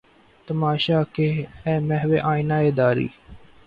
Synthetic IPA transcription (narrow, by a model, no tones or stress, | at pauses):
t̪əmaːʃaːkeɛːmɛ̃ːɦʋeːʔãːinaːeːd̪aːɾḭː